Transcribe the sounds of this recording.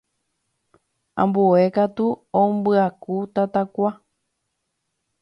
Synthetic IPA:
ã̰mbue̞kat̪uõmbɨakut̪at̪akʷa

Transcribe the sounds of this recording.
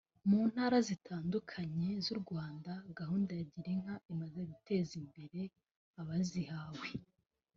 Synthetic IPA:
muːn̥haːɾazitʰaːndukʰaɲe̞zuɾɡwaːndaɡahuːndajaɟiɾiŋ̥haimazeɡute̞zimbe̞ɾe̞ | aβazihaːwe

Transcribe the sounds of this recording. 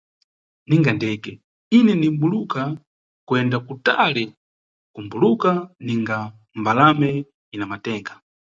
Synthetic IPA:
niŋɡandɛːkɛ | inɛnimbuluka | kwɛndakutalɛ | kumbulukaniŋɡa | mbalamɛ | inamatɛːŋɡa

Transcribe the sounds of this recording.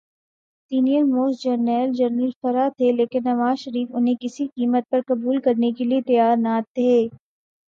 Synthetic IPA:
siːnijəɾmoːsd͡ʒɐɾnɛːld͡ʒɐɾnəlfɐɾat̪ʰeleːkɪnːɐʋaːzʃɐɾiːfʊnɦẽkɪsiqiːmət̪̚pɐɾkɐbuːlkɐɾnekeliet̪ɐjaːɾnat̪ʰeː

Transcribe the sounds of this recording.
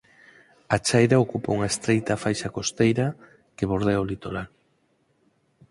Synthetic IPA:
at͡ʃajɾaokupouŋaest̪ɾejt̪afajʃakost̪ejɾɐ | keβoɾðeolit̪oɾal

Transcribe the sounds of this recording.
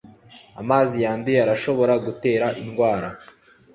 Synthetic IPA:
a̰maːzijaːndiaɾaʃo̞βo̞ɾaɡute̞ːɾaʔinɡwaːɾa

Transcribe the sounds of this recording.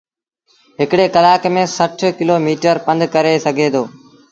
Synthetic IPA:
ɦɪkɽeːkɐlaːkmẽːsɐʈʰkɪloːmiːʈəɾpə̃nd̪kɐɾesəɡʱeːd̪oː

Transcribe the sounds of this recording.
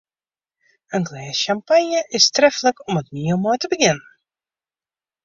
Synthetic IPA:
aŋɡlɛsʃampaɲjəʔɪst̪ɾɛflˠəkʊmɔt̪miəmɔjt̪əbəɡʲɪn

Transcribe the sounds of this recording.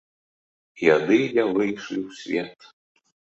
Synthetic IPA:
ijad̪ɨlʲavˠɨjʂlʲiwsʲvʲɛt̪

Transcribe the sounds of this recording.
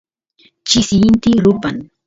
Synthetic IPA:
t͡ʃɪsjɪnt̪ɪɾʊpan

